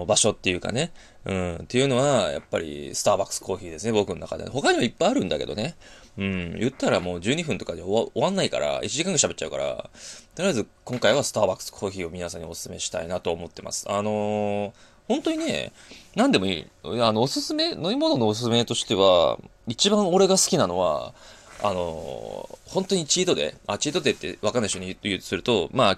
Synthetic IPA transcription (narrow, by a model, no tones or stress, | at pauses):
baɕo̞t̪ːe̞jɯ̟ka̰ne̞ | ɯ̟̃ːt̪e̞jɯ̟no̞βaja̰pːa̰ɾʲḭsɨ̥t̪aːbakɯ̥sɨ̥kʰo̞ːçiːd̪e̞sɨnebo̞kɯ̟no̞na̰kad̪ḛɦo̞kaɲ̟iβaipːaiaɾɯ̟̃nd̪ake̞d̪o̞ne | ɯ̟̃ːjɯ̟t̪ːaɾamo̞ːd͡ʑɨːɲ̟iɸɯ̟̃nt̪o̞kad̪eoβãnːaika̰ɾa̰it͡ɕiʑikãŋɡaɕabe̞tːt͡ɕaɯ̟kaɾa̰t̪oɾɯezɨkõ̞ŋkaiβasɨ̥t̪aːbakɯ̥skʰo̞ːçiːo̞mʲinasãɲ̟io̞sɨ̥sɨme̞ɕi̥t̪a̰inat̪o̞ːmo̞t̪ːemʔa̰sɨ̥ano̞ | hõ̞nt̪o̞ɲ̟ine̞̰ | nãnd̪e̞mo̞ḭːanoːsɨsɨme̞noimo̞no̞no̞ːsɨsɨmet̪o̞ɕi̥t̪e̞βa̰ | it͡ɕibãɰ̃o̞ɾe̞ɡasɨ̥kʲinano̞̰βa̰a̰no̞̰ | hõ̞nt̪o̞ɲ̟it͡ɕiːt̪o̞d̪e̞̰at͡ɕiːt̪o̞d̪et̪ːe̞̰βakanːaiɕoɲʲijɯ̟ːtsɨɾɯ̟t̪o̞maː